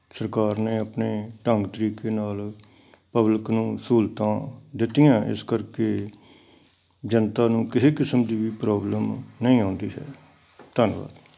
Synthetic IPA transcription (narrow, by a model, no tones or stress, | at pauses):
səɾkaːɾneːəpneːʈəŋɡt̪əɾiːkeːnaːl | pəblɪknũːsuːlt̪ãːd̪ɪt̪ːijãːʔɪ̰skəɾkeː | d͡ʒənt̪aːnũːkɪseːkɪsəmd̪iːʋiːpɾaːbləmnəĩːãːnd̪iːɦɛ̰ː | t̪ənʋa̰ːd̪